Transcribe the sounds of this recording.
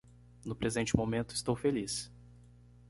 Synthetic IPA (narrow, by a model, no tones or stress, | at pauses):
nʊpɾezẽnt͡ʃɪmomẽnt̪ʊɪst̪owfelis